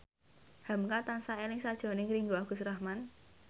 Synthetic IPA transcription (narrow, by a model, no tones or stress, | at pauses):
ha̤mkat̪ansaelɪŋsad̥ʒ̥ɾɔ̤nɪŋɾiŋɡoaɡ̥ṳsrahman